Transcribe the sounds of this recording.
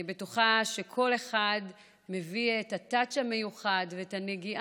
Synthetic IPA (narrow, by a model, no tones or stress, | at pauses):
betuχaʃekʰo̞le̞χad | me̞viethatat͡ʃame̞juχadveetaneɡiʔa